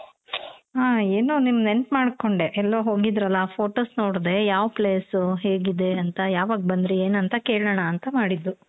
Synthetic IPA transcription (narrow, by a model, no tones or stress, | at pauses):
aːeːnunimːɐd̪enʈmaːɽko̞ɳɖe̞ʔɛlːoːɦo̞ːɡid̪ɾɐlːɐpʰo̞ːʈoːsnoːɽd̪e̞jaːʋpleːsuɦeːɡid̪e̞ɐnt̪ɐjaːʋaːɡ̚bɐnd̪ɾeeːnɐnt̪ɐke̞ːɭɐɳɐːnt̪ɐmaːɽid̪ːu